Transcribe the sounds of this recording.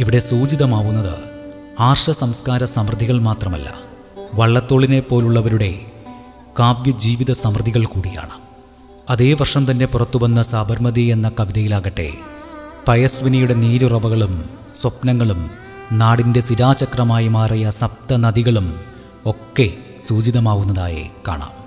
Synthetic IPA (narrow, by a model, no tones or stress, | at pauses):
iʋiɽe̞suːd͡ʑiðɐmaːʋunːɐðɨ̰ | aːrʂɐsɐmskaːɾɐsɐmrɨd̪ʱiɣɐɭmaːt̪rɐmɐ̰lːɐ̰ | ʋɐɭːɐt̪ːo̞ːɭine̞pːo̞ːluɭːɐʋɐɾuɽe̞ | kaːb̚jɐd͡ʑiːʋiðɐsɐmrɨd̪ʱiɣɐɭkuːɽija̰ːɳɨ | ɐðe̞ːʋɐrʂɐmt̪ɐnːe̞purɐt̪ːubɐnːɐsaːbʱɐɾmɐðie̞nːɐkɐʋiðɐjilaːɣɐʈːe̞̰ | pɐjɐsʋinɐjuɽe̞niːɾurɐbɐɣɐɭum | swɐpnɐŋːɐɭum | naːɽinde̞siɾaːt͡ɕɐkrɐmaːjimaːrijɐsɐp̚t̪ɐnɐðiɣɐɭum | o̞kːe̞ | suːd͡ʑiðɐmaːɣunːɐða̰ːjḛka̰ːɳa̰ːm